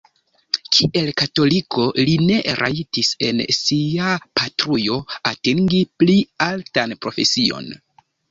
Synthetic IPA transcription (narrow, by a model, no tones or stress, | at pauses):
kʰiʔe̞lkato̞likʰo̞line̞ɾʔa̰itise̞̰nsiapatɾujo̞ateŋɡiplialtanpɾo̞fe̞sio̞̰n